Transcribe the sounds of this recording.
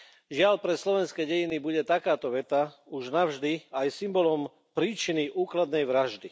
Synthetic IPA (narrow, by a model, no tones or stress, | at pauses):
ʒɪaʎpɾɛslɔʋɛnskɛɟɛjinibuɟɛt̪akaːt̪ɔʋɛt̪auʒnaʊʒd̪iajsimbɔlɔm | pɾiːt͡ʃiniʔuːklad̪nɛjʋɾaʒd̪i